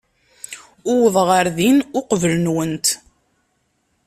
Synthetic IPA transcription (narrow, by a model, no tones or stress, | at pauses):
ʊwəðˤʁəɾðinʊqvələnwənt̪